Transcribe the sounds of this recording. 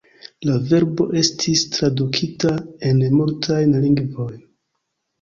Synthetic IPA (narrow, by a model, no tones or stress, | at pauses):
lave̞ɾbo̞̰ʔe̞stʰistɾadukʰitae̞nmuɾtʰajnliŋɡvo̞jn